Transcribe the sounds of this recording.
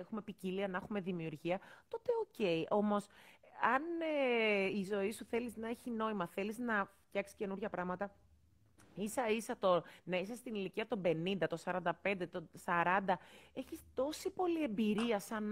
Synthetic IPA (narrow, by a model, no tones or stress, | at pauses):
exume̞piciliɐnexume̞ðimiuɾʝiɐt̪o̞t̪e̞oce̞iʔo̞mo̞sɐn | izo̞isuθe̞liznɐe̞çino̞imɐθe̞liznɐft̪jɐksi̥ce̞nuɾʝɐpɾɐɣmɐt̪ɐ | isɐisɐt̪o̞nɐisɐst̪iniliciɐt̪o̞be̞nind̪ɐt̪o̞sɐɾɐnd̪ɐpe̞nd̪e̞t̪osɐɾɐnd̪ɐe̞çist̪o̞sipo̞lie̞mbiɾiɐsɐn